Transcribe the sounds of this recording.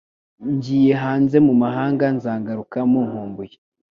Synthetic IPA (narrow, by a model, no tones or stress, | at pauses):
ɲɟijeɦaːnze̞mumaɦaːŋɡanzaːŋɡaɾukamuŋ̥huːmbuje